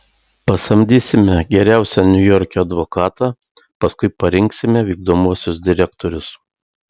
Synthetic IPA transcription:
pɐsɐmʲd̪ʲiːsʲɪmʲɛɡʲɛɾʲæˑʊsʲɛnʲʊjɔɾʲkʲoːɐd̪ʋokɑːt̪ɑː | pɐskʊɪpɐɾʲɪŋksʲɪmʲɛʋʲiːɡ̚d̪oːmuɔsʲʊsd̪ʲɪɾʲɛkt̪oːɾʲʊs

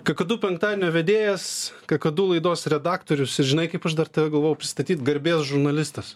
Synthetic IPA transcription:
kɐkɐd̪uːpʲɛŋkt̪ɑːd̪ʲenʲoːʋʲɛd̪ʲeːjɛskɐkɐd̪uːlˠɐɪd̪oːsɾʲɛd̪ɑːkt̪oːɾʲʊsɪʒʲɪnɐɪkɐɪpɐʃd̪ɐrt̪ɐʋʲɛɡɐlˠʋoːjɛʊpʲɾʲɪst̪ɐt̪ʲiːt̪ɡɐɾʲbʲeːsʒʊɾnɐlʲɪst̪ɐs

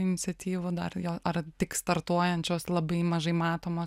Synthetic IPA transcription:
ɪnʲɪt̪sʲɛt̪ʲiːʋʊd̪ɐ̰rjoːɐrt̪ʲɪkst̪ɐɾt̪uɔjɛnʲt͡ʃʲoːslˠɐbɐɪmɐʒɐɪmɑːt̪oːmoː

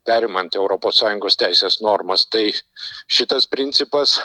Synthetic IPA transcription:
pʲæːɾʲɪmɐnt̪ɛʊɾopoːsɑːjʊŋɡoːst̪ʲæɪsʲeːsnoːɾmɐst̪ɐɪʃʲɪt̪ɐspʲɾʲɪnʲt̪sʲɪpɐs

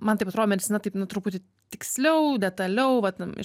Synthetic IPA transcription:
mɐnt̪ɐɪpɐt̪ɾoːd̪oːmʲɛd̪ʲɪt͡sʲsʲɪnɐt̪ɐɪpnʊt̪ɾʊpʊt̪ʲɪ | t̪ʲɪksʲlʲɛʊd̪ʲɛt̪ɐlʲɛʊʋɐt̪ɪ̰

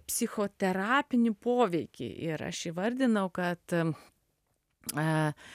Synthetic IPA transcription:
pʲsʲɪxoːt̪ʲɛɾɑːpʲɪnʲɪpoːʋʲɛɪkʲɪ̰ʔɪɾɐ̰ʃiʋɐɾʲd̪ʲɪnɐʊkɐt̪

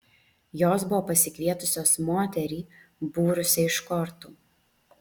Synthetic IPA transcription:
joːsbʊʋoːpɐsʲɪkʋʲiɛt̪ʊsʲoːsmoːt̪ʲɛɾʲiːbuːɾʊsʲɛɪʃkɔɾt̪uː

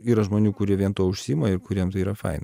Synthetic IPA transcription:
iːɾɐʒmoːnʲuːkʊɾʲiɛʋʲiɛnt̪uɔʊʃʲsʲiːmɐɪɾkʊɾʲiɛmt̪ɐɪiːɾɐfɐ̰ɪn

